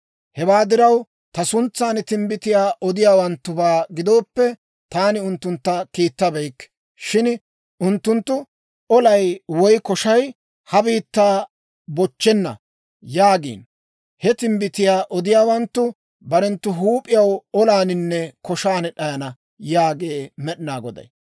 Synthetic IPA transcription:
hɛwaːd̪ɪɾɐw | t̪ɐsʊnt͡sːaːnt̪ɪmbɪt̪ɪjaːʔɔd̪ɪjaːwɐnt̪ːʊbaːɡɪd̪o̞ːpːɛ | t̪aːnɪʊnt̪ːʊnt̪ːɐkiːt̪ːɐbɛjkː | ʃɪn | ʔʊnt̪ːʊnt̪ːʊ | ʔɔlɐjwɔjkɔʃɐj | hɐbiːt̪ːaː | bɔt͡ʃːɛnːɐ̰ | jaːɡḭːn | hɛt̪ɪmbɪt̪ɪjaːʔɔd̪ɪjaːwɐnt̪ːʊ | bɐɾɛnt̪ːʊɦuːpʼːɪjɐwɔlaːnɪnːɛkɔʃaːnɗɐjɐnɐ | jaːɡeːmɛɗɪnaːɡɔd̪ɐ̰j

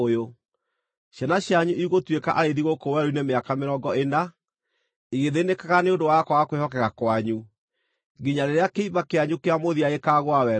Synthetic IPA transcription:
jo | ɕjanaɕjaɲuʔiɣotweka̰ʔaɾeðiɣokowɛɾoinemeakameɾɔɡɔena | iɣeðenekaɣaneondowakwaɣakwehɔkɛɣakwaɲu | ɡiɲaɾeɾeakeimakeaɲukeamoðiaekaːɣwawɛ

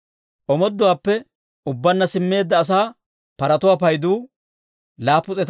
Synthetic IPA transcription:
ʔɔmɔd̪ːʊwaːpːɛ | ʊbːɐnːɐsɪmːe̞ːd̪ːɐːs̬aː | pɐɾɐt̪ʊwaːpɐjd̪uː | laːpːʊt͡sʼɛt̪

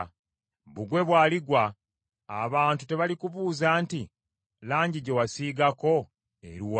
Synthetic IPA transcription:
βuɡwe̞βwaːliɡwa̰ː | βaːntute̞βalikuβuːzaːnti | laːɲɟiɟe̞wasiːɡako̞ | ḛɾiw

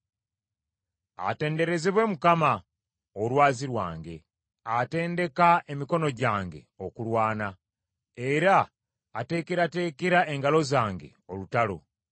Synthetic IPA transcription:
a̰te̞ːnde̞ɾe̞zeβwe̞mukama | olwaːziɾwa̰ːŋɡe̞̰ | ate̞ːnde̞kae̞miko̞no̞ɟaːŋɡe̞̰o̞kulwaːna | eɾaː | te̞ːkeɾate̞ːkeɾae̞ŋɡalo̞zaːŋɡe̞̰o̞lutalo̞̰

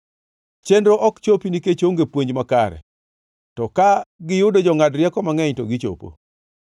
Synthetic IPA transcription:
t͡ʃendɾoʔɔkt͡ʃopiniket͡ʃoŋɡepwoɲd͡ʒmakaɾɛ̰ | tɔkaɡɪjʊdod͡ʒɔŋadɾjɛkɔmaŋɛɲtɔɡɪt͡ʃo̰po̰

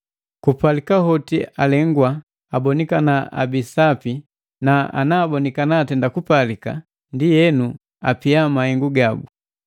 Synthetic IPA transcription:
kupalikaɦɔtialɛŋɡwa | abɔnikanaa̰bisapi | naa̰naːbɔnikanaːtɛndakupalika̰ | ndijɛnu | a̰piamahɛŋɡuɡabu

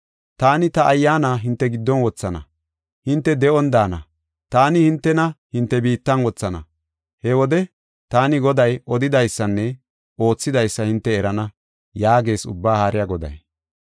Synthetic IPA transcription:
t̪aːnɪt̪ɐʔɐjːaːnaːɦɪnt̪ːɛɡɪd̪ːɔnwɔt͡sːɐnɐ̰ | hɪnt̪ːɛd̪ɛɔnd̪aːnɐ̰ | t̪aːnɪhɪnt̪ːɛnɐhɪnt̪ːɛbiːt̪ːɐnwɔt͡sːɐnɐ̰ | hɛwɔd̪ɛ | t̪aːnɪɡɔd̪ɐjɔd̪ɪd̪ɐjsːɐnːɛ | o̞ːt͡sːɪd̪ɐjsːɐhɪnt̪ːɛːɾɐnɐ | jaːɡe̞ːsʊ̰bːaːhaːɾɪjɐɡɔd̪ɐ̰j

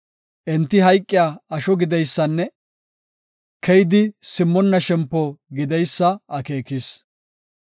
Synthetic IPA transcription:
ʔɛnt̪ːɪɦɐjkʼːɪjaːɐʃɔɡɪd̪ɛjsːɐnːɛ | kʰɛjɪd̪ɪsɪmːɔnːɐʃɛmpːɔɡɪd̪ɛjsːɐʔɐke̞ːkɪs

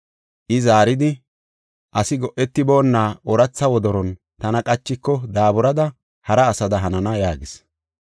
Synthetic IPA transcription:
ʔɪzaːɾɪd̪ɪ | ʔɐsɪɡɔʔɛt̪ːɪbo̞ːnːaːʔɔɾɐt͡sːɐwɔd̪ɔɾɔn | t̪ɐnɐkʼɐt͡ʃːɪkːɔd̪aːbʊɾɐd̪ɐ | hɐɾɐːsɐd̪ɐɦɐnɐnɐjaːɡɪs

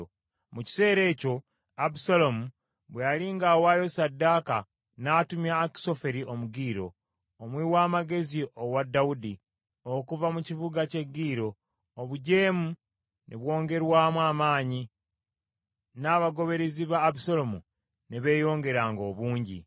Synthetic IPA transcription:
muci̥se̞ːɾe̞ːco̞ | abusalomu | βwealiŋɡawajo̞sadːaːka | naːtumjaːki̥so̞fe̞ɾio̞muɡiːɾo̞̰ː | mwiwaːmaɡe̞ziowadːaudi | okuvamucivuɡace̞ɡiːɾo̞ː | βuɟe̞ːmu | neβwo̞ːŋɡe̞ɾwaːmwaːmaːɲi | naβaɡo̞βe̞ɾeziβaːbusalomṵ | neβe̞ːjo̞ːŋɡe̞ɾaːŋɡo̞ːβuːɲɟḭ

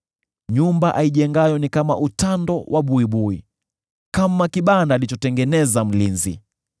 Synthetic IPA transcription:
ɲumbaʔaiʄɛŋɡajɔnikama̰ʔutandɔwʔaɓuiɓui | kamakiɓandaːlit͡ʃɔtɛŋɡɛnɛzam̩linzḭ

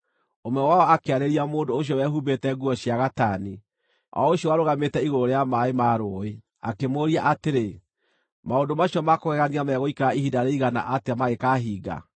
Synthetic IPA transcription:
omwɛwaɔakeaɾeɾiamoːndoːɕ̬jɔwɛɦubetɛɡuɔɕiaɣatani | ɔ̰oɕjɔaɾoɣametɛiɣoɾoɾejamaemaɾoe | a̰kemoɾiaʔateɾe | maondomaɕijɔmakoɣɛɣaniamɛɣoikaɾaiɦidaɾeiɣana̰ʔateamaɣekaɦiːɡa̰

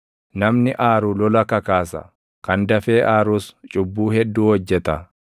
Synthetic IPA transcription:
nɐmnɪʔaːɾuːlɔlɐkɐkaːsɐ̰ | kɐnd̪ɐfeːʔaːɾuːst͡ʃʼʊbːuːhɛd̪ːuːhɔd͡ʒːɛt̪ɐ

